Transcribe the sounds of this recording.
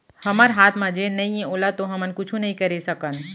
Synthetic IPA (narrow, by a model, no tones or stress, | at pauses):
hɐməɾɦaːt̪ʰmãd͡ʒenɐɦĩẽoːlat̪oɦɐmənkʊt͡ʃʰũnɐɦĩkəɾesəkən